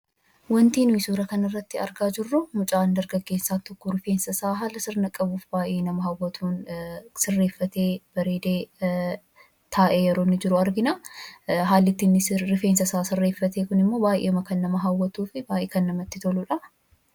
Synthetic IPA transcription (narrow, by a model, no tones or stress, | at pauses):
wɐnt̪iːnʊɪsuːɾɐkɐnɐrːɐt̪ːɪɐ̰ɾɡaːd͡ʒɪrːʊmʊt͡ʃʼaːnd̪ɐɾɡɐɡːeːsːaːnt̪ɔkːɔɾɪfe̞ːnsɐsaːɦaːlɐsɪɾnɐkʼɐbuːfbaːjʔeːnɐmɐɦɐwːɐt̪ʰuːnsɪrːe̞ːfːɐt̪e̞ːb̥ɐɾeːd̪eː | t̪ʰaːʔeːjɛɾo̞ːnːɪd͡ʒɪɾʊɐɾɡɪnɐ | ɦaːlːɪt̪ːinːɪsɾɪfeːnsɐsaːsɪrːeːfːɐt̪eːkʊnɪmːo̞ːbaːʔeːmɐkɐnːɐmɐɦɐwːɐt̪uːfɪbaːʔeːkɐnːɐmɐt̪ːɪt̪ɔluᶑɐ